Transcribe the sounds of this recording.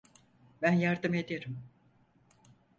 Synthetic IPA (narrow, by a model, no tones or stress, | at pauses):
bænjaɾd̪ɯme̞d̪eɾim